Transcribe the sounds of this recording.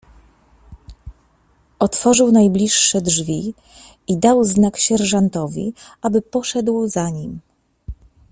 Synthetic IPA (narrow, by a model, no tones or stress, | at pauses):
ɔt̪fɔʐɘwnajblʲiʂːɛdʐvʲi | id̪awznakɕɛɾʐant̪ɔvʲḭabɘpɔʂɛd̪wzaɲim